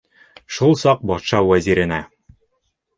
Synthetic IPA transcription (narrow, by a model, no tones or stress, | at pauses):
ʃulˠsɑq̚bɒt̪ʃɑwæziɾɘ̆næ